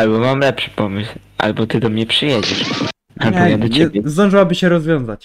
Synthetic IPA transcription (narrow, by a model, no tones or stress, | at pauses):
albɔmamlɛpʂɘ̥pɔmɘswʔa̰lbɔt̪ɘd̪ɔmɲɛpʂɘjɛd͡ʑɛʂ | alɲɛbɔɛd̪ɔt͡ɕɛbʲɛzd̪ɔ̃ʐɨwabɘɕɛɾɔzvʲjɔ̃ñzat͡ɕ